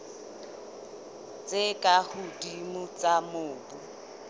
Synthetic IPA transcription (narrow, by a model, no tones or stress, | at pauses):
t͡sʼekʼahʊdimʊt͡sʼamʊːbʊ